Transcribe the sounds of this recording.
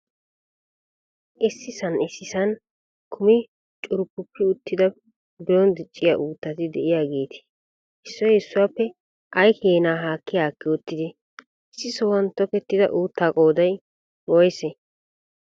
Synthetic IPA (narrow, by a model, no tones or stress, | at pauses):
ʔɪsːɪsɐnɪsːɪsɐn | kʰʊmɪ | t͡ʃʼʊɾpːʊpːɪʊt̪ːɪd̪ɐ | bɪɾɔnd̪ɪt͡ʃʼːɪjaːʔuːt̪ːɐt̪ɪd̪ɛʔɪjaːɡe̞ːt̪ɪ̥ | ʔɪsːɔjɪsːʊwaːpːɛ | ʔɐjkʰeːnaːɦaːkːɪjaːkːɪʊt̪ːɪd̪ɛ | ɪsːɪsɔwɐnt̪ɔkɛt̪ːɪd̪ɐ̰ʔuːt̪ːaːkʼoːd̪ɐj | wɔjsɛ